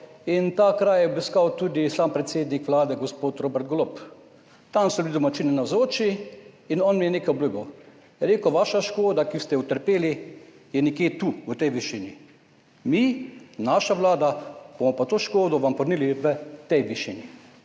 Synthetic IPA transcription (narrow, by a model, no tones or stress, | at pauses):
int̪aːkɾaːjjɛɔbiskawt̪uːd̪isaːmpɾɛt̪seːd̪nikʋlaːd̪ɛɡospoːt̪ɾoːbɛɾt̪̚ɡlop | t̪amsɔblid̪ɔmat͡ʃiːnɛnawzoːt͡ʃi | inɔnmijɛneːkajbluɡɔw | ɾeːkɔʋaːʃaʃkoːd̪akist̪ɛut̪əɾpeːli | jɛnɛkjeːt̪uːət̪ɛjʋiʃini | minaʃaʋlaːd̪ab̥omɔpat̪oːʃkoːd̪ɔʋampɔɾniliʋət̪ɛjʋiʃini